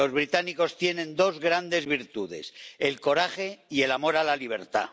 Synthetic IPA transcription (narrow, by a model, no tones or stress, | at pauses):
o̞zβ̞ɾit̪aniko̞st̪je̞nẽ̞nd̪o̞zɣɾand̪e̞zβiɾt̪uðe̞̰selko̞ɾaχe̞ie̞lamo̞ɾalaliβ̞e̞ɾt̪a̰